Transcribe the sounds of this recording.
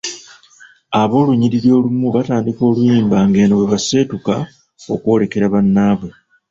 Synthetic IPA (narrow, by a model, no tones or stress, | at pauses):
aβo̞ːluɲiɾiɾjo̞ːlumuβataːndiko̞ːlujiːmbaŋɡe̞noweβase̞ːtuka | okwo̞ːle̞ke̞ɾaβanːaːβwe̞